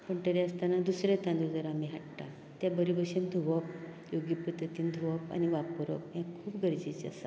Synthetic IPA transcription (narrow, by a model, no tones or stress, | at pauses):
pəɳʈəɾeəst̪anad̪usɾet̪ãnd̪ud͡zəɾamiɦaʈʈa | t̪jabəɾibəɕend̪ʱuʋəp | joɡipɾət̪ət̪iːnd̪ʱuʋəpa̰niʋapuɾə̰pjãkʰuːpɡʱəɾd͡ʑit͡ɕa̰sa